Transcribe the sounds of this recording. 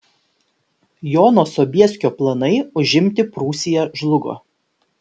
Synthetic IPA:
joːnoːsɔːbʲiɛsʲkʲoːplˠɐnɐɪʊʒʲɪmʲt̪ʲɪpɾuːsʲɪjɛʒlˠʊɡo̰ː

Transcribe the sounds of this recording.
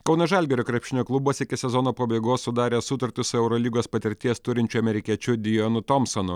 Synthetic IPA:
kɒʊnɐʒɐlʲɡʲɛɾʲoːkɾʲɛpʲʃʲɪnʲoːklˠʊbuɔsʲɪkʲɪsʲɛzɔnoːpɐbʲeɪɡoːsʊd̪ɑːɾʲeːsʊt̪ɐɾʲt̪ʲɪsʊɛʊɾɔlʲiːɡoːspɐt̪ʲɪɾʲt̪ʲiɛst̪ʊɾʲɪnʲt͡ʃʲʊɐmʲɛɾʲɪkʲiɛt͡ʃʲʊd̪ʲɪjonʊt̪ɔmsɔnʊ

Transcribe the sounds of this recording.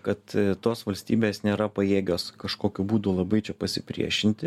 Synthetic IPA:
kɐt̪t̪oːsʋɐlʲsʲt̪ʲiːbʲeːsnʲeːɾɐpɐeːɡʲoːskɐʃkoːkʲubuːd̪ʊlˠɐbɐɪt͡ʃʲɛpɐsʲɪpʲɾʲḭɛʃʲɪnʲt̪ʲɪ

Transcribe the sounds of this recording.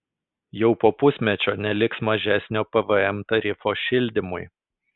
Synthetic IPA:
jɛʊpoːpʊsʲmʲɛt͡ʃʲoːnʲɛlʲɪksmɐʒʲæsʲnʲoːpɛʋəɛmt̪ɐɾʲɪfoːʃʲɪlʲd̪ʲɪmʊɪ

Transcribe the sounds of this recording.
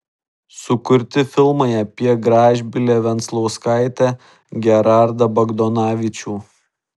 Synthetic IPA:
sʊkʊɾʲt̪ʲɪfʲɪlˠmɐɪɐpʲiɛɡɾɑːʒʲbʲɪlʲeːʋʲɛnt̪slˠɔʊskɑɪt̪ʲæː | ɡʲɛɾɑˑɾd̪ɐbɐɡd̪ɔnɑːʋʲɪt͡ʃʲuː

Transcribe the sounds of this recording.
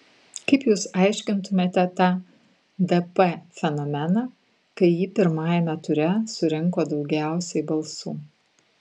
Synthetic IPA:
kɐɪpjuːsɑˑɪʃʲkʲɪnt̪ʊmʲeːt̪ʲɛt̪ɑː | d̪ɛpɛfʲɛnɔmʲɛnɑː | kɐɪjiːpʲɪɾmɑːjɛmʲɛt̪ʊɾʲɛsʊɾʲɪŋˑkoːd̪ɒʊɡʲæˑʊsʲɛɪbɐlˠsuː

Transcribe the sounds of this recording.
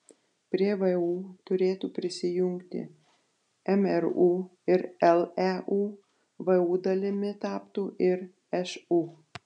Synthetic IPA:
pʲɾʲiɛʋɐuːt̪ʊɾʲeːt̪uːpʲɾʲɪsʲɪjʊŋkt̪ʲɪ̰ | ɛmɛɾuːɪɾɛlˠɛʔuː | ʋɐuːd̪ɐlʲɪmʲɪt̪ɑːpt̪uːʔɪɾ | ɛʃuː

